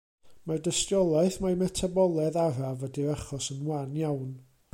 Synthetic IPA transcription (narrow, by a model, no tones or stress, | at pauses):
mardəstjɔlˠaɨθmamɛtʰabɔlˠɛðaɾavədiaχɔsənwanjawn